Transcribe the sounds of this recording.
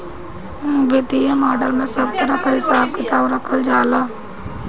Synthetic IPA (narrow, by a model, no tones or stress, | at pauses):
ʋet̪iẽːmaːɖəlmẽsəbt̪əɾakaːɦɪsaːb̚kɪt̪aːbɾəkʰəld͡ʒaːlaː